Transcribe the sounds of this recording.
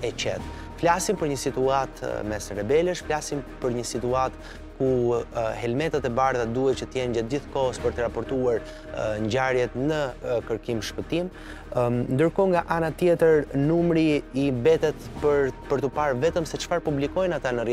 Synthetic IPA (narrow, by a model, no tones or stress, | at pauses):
ɛt͡ɕɛt̪ | flasimpəɾɲəsit̪uat̪mɛsɛɾɛbɛləʃflasimpəɾɲəsit̪uat̪ | kuɦɛlmɛt̪at̪ɛbaɾðad̪uhɛt͡ʃət̪əjɛnd͡ʑɛt̪̚diθkɔst̪pəɾt̪əɾapɔɾt̪uaɾ | ɲɟaɾjɛt̪nəkəɾkimʃpət̪im | nd̪əɾkɔŋɡaʔanat̪jɛt̪əɾnumɾiːbɛt̪ɛt̪pəpəɾt̪əpaɾvɛt̪əmsɛt͡ʃə̥faɾpublikɔjnat̪anər